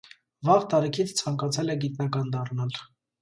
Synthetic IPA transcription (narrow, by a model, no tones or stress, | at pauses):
vɑʁt̪ɑɾikʰit͡sʰt͡sʰɑŋkɑt͡sʰɛlɛɡit̪nɑkɑnd̪ɑrnɑl